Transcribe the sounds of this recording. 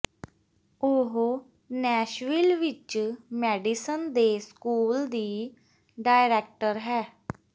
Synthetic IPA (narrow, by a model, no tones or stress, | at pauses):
oɦ | nɛːʃʋɪlʋɪt͡ʃmɛːɖisənd̪eːskuːld̪iː | ɖaːɪɾɛːk̚ʈəɾɦɛː